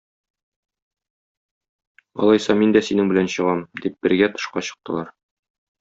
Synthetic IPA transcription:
ɒ̰lˠɑjsɑmind̪æsinɘŋbɘ̆lænɕɤ̆ʁɑmd̪ip̚b̥ɘ̆ɾɡæt̪ɤ̥̆ʃqɑɕɤ̥̆q̚t̪ɤ̆lˠɑɾ

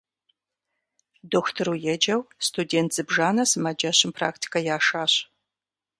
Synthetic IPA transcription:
doːxtʰɨɾujɛd͡ʒɐwstʰudeːntʰz̥ɨbʒaːnɐsɨmɐd͡ʒɐɕɪmpʰra̰ːktʰi̥kʰɐjaːʂaːɕ

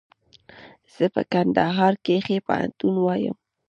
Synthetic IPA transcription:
z̥əpə̰kand̪aɦɑɾkexepə̰ha̰nt̪unwɑjə̰m

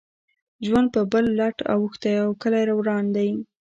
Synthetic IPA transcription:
ʒwand̪̚pəbəlːaʈa̰wuxt̪ajawkəlajɾawɾɑnd̪aj

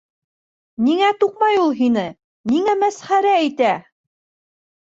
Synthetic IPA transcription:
niŋæt̪uq̚mɑjulˠɦinɘ | niŋæmæsχæɾæːjt̪æ

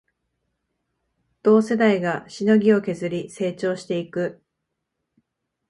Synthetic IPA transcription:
d̪̥o̞ːse̞d̪aiɡaɕino̞ɡʲio̞ke̞zɨɾʲise̞ːt͡ɕo̞ːɕi̥t̪e̞ikɯ̟

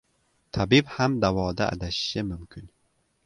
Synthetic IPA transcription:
t̪ʰabibhamd̪awɒːd̪a̰ːd̪aʃɪ̥ʃɪmʊmkʲʰyn

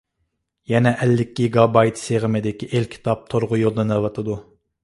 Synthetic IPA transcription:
jɛnɛʔɛlːɪkʲːiɡɑbɑjt̪seʁɪmɪd̪ɪkʲiʔelkʲʰi̥t̪ʰɑp̚t̪ʰoɾʁʊjolˠd̪ɑnɛvɑt̪ʰɨd̪u

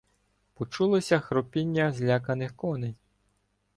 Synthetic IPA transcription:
pɔt͡ʃulˠɔsʲɐxɾɔpʲinʲːɐzʲlʲakɐnɪxkɔnej

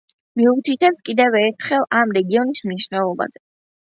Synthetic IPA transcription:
miut̪ʰit̪ʰɛpskʼid̪ɛvɛɾt̪ʰχɛlˠamɾɛɡiɔnismniʃnɛlˠɔba̰zɛ

